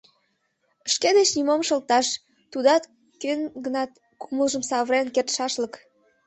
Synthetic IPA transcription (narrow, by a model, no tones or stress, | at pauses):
əʃked̪et͡ɕnimomʃəlt̪ɑʃ | t̪ud̪ɑt̪ | kønɡənɑt̪ | kuməlʒəmsɑβɾenkert̪ʃɑʃlək